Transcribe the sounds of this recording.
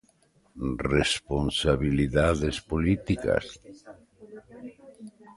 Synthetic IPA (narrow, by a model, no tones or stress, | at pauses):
responsaβiliðaðespolit̪ika̰s